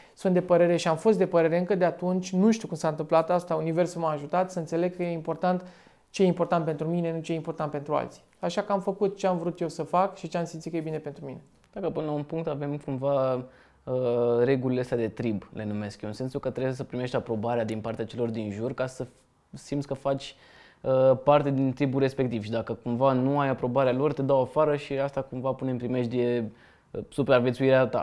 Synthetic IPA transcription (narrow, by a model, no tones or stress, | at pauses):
sunt̪d̪epəɾe̞ɾe̞ʃiamfo̞st̪d̪epəɾe̞ɾe̞ɨŋkəd̪e̞at̪unt͡ʃʲnuʃt̪iukumsaɨnt̪ɨmplat̪ast̪aunive̞rsumaaʒut̪at̪səɨnt̪se̞le̞ɡ̚kəje̞impo̞rt̪ant̪ | t͡ʃejeimpo̞rt̪ant̪pe̞nt̪ɾumine̞nut͡ʃejeimpo̞rt̪ant̪̚pe̞nt̪ɾua̰lt̪si̥ | aʃakəamfəkut̪̚t͡ʃe̞amvɾut̪je̞wsəfakʃit͡ʃe̞amsimt̪ikəjebine̞pe̞nt̪ɾumine̞ | d̪̥akəpɨnəlaunpuŋk̚t̪ave̞mkumva | əɾe̞ɡulileəst̪ead̪e̞t̪ɾible̞nume̞skjeɨnse̞nsulkət̪ɾebesəpɾime̞ʃt̪ʲapɾo̞baɾead̪inpart̪eat͡ʃe̞lo̞rd̪inʒurkasə | simt̪sʲkəfat͡ʃʲ | əpart̪e̞d̪int̪ɾibulre̞spe̞k̚t̪iv̥ʃid̪akəkumvanuajapɾo̞baɾealo̞rt̪e̞d̪awafaɾəʃiast̪akumvapunempɾime̞ʃd̪e | supɾeavʲje̞t̪suiɾeat̪a̰